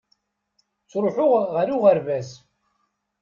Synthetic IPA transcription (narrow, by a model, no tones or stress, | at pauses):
t͡sːɾˤoħʊʁʁəɾuʁəɾvæs